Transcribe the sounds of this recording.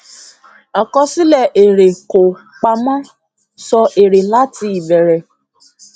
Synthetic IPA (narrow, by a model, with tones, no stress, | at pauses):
a˨kɔ˧si˦lɛ˦˨ʔe˨ɾe˨ko˨ | k͡pa˧mã˦ | sɔ˧ʔe˨ɾe˨la˦ti˦i˨bɛ˨ɾɛ˨